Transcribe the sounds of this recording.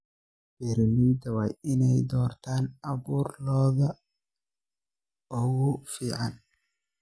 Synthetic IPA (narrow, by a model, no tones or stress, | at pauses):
bɛɾɐliːd̪ɐwɑjɪnɛjd̪ɔːrt̪ʰaːnɐβuːrlɔːðɐ | ɔɣʊfiːʕɑn